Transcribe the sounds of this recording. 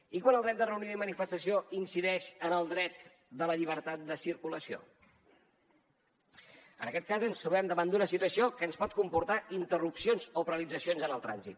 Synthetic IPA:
ikwanlˠd̪ɾɛt̪d̪ərəuniðəimənifəst̪əsioinsiðɛʃənəlˠd̪ɾɛt̪ | d̪ələʎiβ̞əɾt̪at̪̚d̪əsiɾkuləsio̰ | ə̰nəkɛt̪̚kazənst̪ɾuβɛmd̪əβand̪unəsit̪uəsiokəːnspɔt̪̚kumpuɾt̪aʔint̪ərupsionzopəɾəlid͡zəsionzənəlˠt̪ɾa̰nzḭt̪̚

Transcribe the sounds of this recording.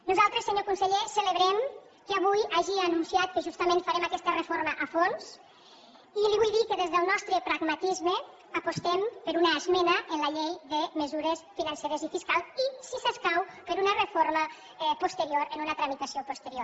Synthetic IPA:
nuzalˠt̪ɾəsːəɲokunsəʎesələβɾɛm | kəaβujaʒianunsiat̪̚kəʒust̪amẽnfaɾɛmakɛst̪ərəfoɾməʔafons | iliβujðikəðezðəlˠnɔst̪ɾəpɾaɡmat̪izmə | apust̪ɛmpəɾunaːzmɛnəʔənlaʎejðəməzuɾəsfinanseɾəzifiskalˠisisəskawpəɾunərəfoɾmə | ɛpust̪əɾioɾənunət̪ɾəmit̪asiopust̪əɾioɾ

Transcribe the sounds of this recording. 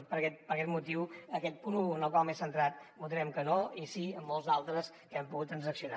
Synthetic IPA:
pəɾkɛt̪̚pəɾkɛt̪mut̪̬iwəkɛt̪̚punuənəlˠkwalˠmesənt̪ɾat̪mut̪ɾɛmkənoisiəmːolˠzðalˠt̪ɾəs | kɛmpuɣut̪ːɾənzəksiuna

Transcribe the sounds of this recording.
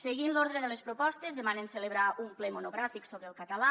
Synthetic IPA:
seɣinloɾðɾeðelespɾopɔst̪ezðemanenseleβɾaumplemonoɣɾafiksoβɾelˠkat̪ala

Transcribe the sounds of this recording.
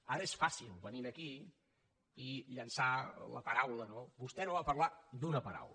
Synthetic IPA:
aɾəesfasilˠβəniɾəki | iʎənsalə̰pəɾawlənobust̪ɛnoβapərlad̪unəpəɾa̰wlə

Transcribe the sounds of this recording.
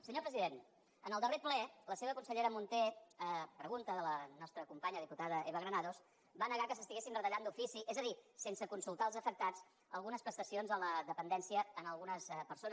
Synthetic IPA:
səɲopɾəziðen | ənəlˠd̪əreplɛləseβ̞əkunsəʎeɾəmunt̪eɛpɾəɣunt̪əðələnɔst̪ɾəkumpaɲəðiput̪aðəeβəɣɾənaðos | banəɣakəsəst̪iɣesinrət̪əʎand̪ufisiʔezəðisensəkunsulˠt̪aəlˠzəfək̚t̪at͡s | əlˠɣunəspɾəst̪əsionzələðəpənd̪ɛnsiəːnəlˠɣunəsɛpəɾson

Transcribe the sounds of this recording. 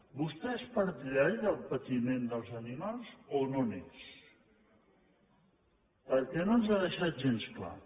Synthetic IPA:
bust̪ɛespəɾt̪iʎɛɾðəlˠpət̪imend̪əlˠzənimalˠzononḛs | pəɾkɛnonzaðəʃat̪̚ʒenskla̰

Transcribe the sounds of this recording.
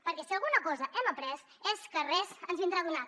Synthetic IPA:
pəɾkɛsiəlˠɣunəkɔzəʔɛməpɾɛs | eskərɛzənzβind̪ɾaðuna

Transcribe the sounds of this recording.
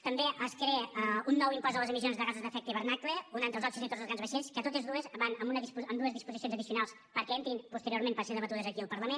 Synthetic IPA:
t̪əmbeʔəskɾɛəunːɔwimpɔzðəlˠəzəmizionzðəɣazuzðəfɛk̚t̪əiβəɾnakleunant̪ɾəlˠzɔt͡ʃuzit̪otd͡zzəlˠɣanzβəʃenskət̪ot̪ezðuəzβanəmunəðispuəmd̪uəzðispuzis̬ionzəðisiunalˠs | pəɾkɛɛnt̪iiŋpust̪əɾioɾmempəseðəβət̪uðəzəkiəlˠpəɾləmen

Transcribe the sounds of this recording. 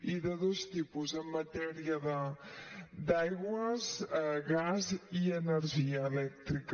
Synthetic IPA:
iðəðost̪ipuzəmːət̪ɛɾiəðə | d̪ajɣwəzɣaziənəɾʒiəːlɛk̚t̪ɾik

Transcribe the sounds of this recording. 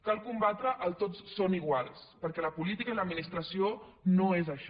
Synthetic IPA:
kalˠkumbat̪ɾəʔːlˠt̪otssoniɣ̞walˠspəɾkɛləpulit̪ikəiləd̪minist̪ɾəsionoezəʃ

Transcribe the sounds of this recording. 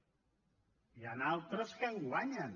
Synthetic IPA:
janalˠt̪ɾəskəŋɡwaɲən

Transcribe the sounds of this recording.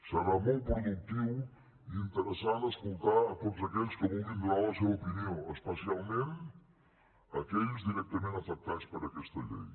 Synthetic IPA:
sɐɾamojt̪̚pɾuðuk̚t̪iw | iint̪əɾəsaðɐskolˠt̪aɾɐt̪od̪uzɐkeʎskəvõwvĩnd̪lawɐsewopiniõespɐsialˠmẽnt̪ | ɐkeʎzd̪iɾɛk̚t̪ɐmẽnt̪ɐfɐk̚t̪ad̪spɐɾɐkɛst̪ɐʎḛj

